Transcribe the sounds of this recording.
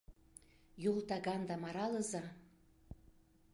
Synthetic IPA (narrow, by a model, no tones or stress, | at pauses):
jult̪ɑɣɑnd̪ɑmɑɾɑlɤzɑ